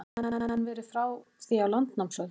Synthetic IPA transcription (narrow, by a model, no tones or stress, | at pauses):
nvɛːɾɪfɾawθiawlant̪namsœð